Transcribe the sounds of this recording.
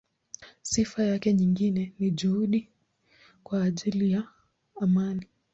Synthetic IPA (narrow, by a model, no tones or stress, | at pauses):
sifajakɛɲiŋɡinɛniʄuhuɗi | kwaːʄilijaː | mani